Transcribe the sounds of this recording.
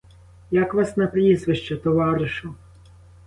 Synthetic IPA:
jakʋɑsnɐpɾʲizʋɪʃt͡ʃɐt̪ɔʋɑɾɪʃʊ

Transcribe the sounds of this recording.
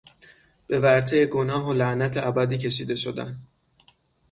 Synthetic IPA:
b̥e̞væɾt̪ʰejeɡonɒːɦolæʔnæt̪ʰeʔæbæd̪iːcʰe̞ʃiːd̪e̞ʃo̞d̪æ̰n

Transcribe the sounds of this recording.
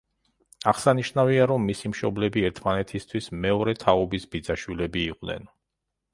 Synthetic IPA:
aʁsaniʃnaviaɾɔmːisimʃɔblɛbiɛɾt̪ʰmanɛt̪ʰist̪ʰwismɛɔɾɛt̪ʰaɔbisbid̪zaʃwilɛbiːqʼvnɛ̰n

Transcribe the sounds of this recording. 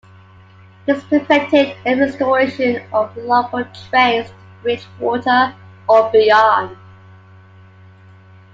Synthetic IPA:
ðɪspʰəfɛk̚tɪdɪ̃nɛstəɹeɪʃə̃nəvlʌbətʰɹ̥ẽɪ̃s | ɹɪt͡ʃwɔˑtə | əbiɑn

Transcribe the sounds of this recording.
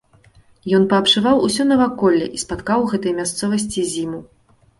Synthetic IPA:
jɔnpɐːpʂɨvawusʲɔnɐvakɔlʲːɛ̰ʔispat̪kawɣɛt̪ɐjmʲast̪sɔvɐsʲt͡sʲizʲimu

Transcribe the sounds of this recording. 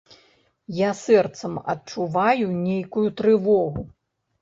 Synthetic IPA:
jasɛrt̪sɐmɐ̰tt͡ʂuvajunʲejkujut̪ɾɨvɔɣu

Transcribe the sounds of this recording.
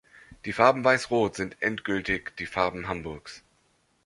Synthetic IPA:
d̥iːfaɐbm̩vaɪsʁoːtz̥ɪntʔɛ̰ntɡ̥ʏltɪçd̥iːfaɐbm̩ɦambʊɐks

